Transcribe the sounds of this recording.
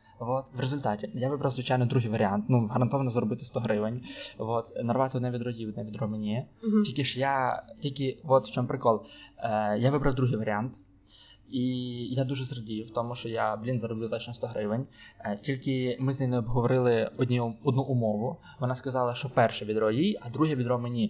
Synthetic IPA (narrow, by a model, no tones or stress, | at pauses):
ʋɔt̪ʋɾezʊlʲt̪ɑtʲɪjaʋɪbɾɐwzʋɪt͡ʃajnɔd̪ɾuɦɪjʋɐɾʲɪant̪nuɦɐɾɐnt̪ɔʋɐnɔzɾɔbɪt̪ɪst̪ɔɦɾɪʋɪnʲʋɔt̪nɐrʋɑt̪ɪɔd̪nɛʋʲid̪rɔjʲiɔd̪nɛʋʲid̪rɔmenʲiɛilʲkʲɪʃjatʲilʲkɪʋɔt̪ʃt͡ʃɔmpɾɪkɔlˠ | jaʋɪbɾɐwd̪ɾuɦɪjʋɐɾʲiant̪ | ijad̪uʒɛzrɐdʲijwt̪ɔmʊʃt͡ʃɔjablʲinzɐɾɔblʲɪt̪ɔt͡ʃnɔst̪ɔɦɾɪʋɪnʲtʲilʲkɪmɪznɛjnɛɔbɦɔʋɔɾɪlˠɪɔdʲnʲiɔd̪nuʔʊmɔʋʊ | ʋɔnaskɐzɑlˠɐʃt͡ʃɔpɛrʃɛʋʲid̪rɔjijɐd̪ɾuɦɛʋʲid̪ɾɔmenʲi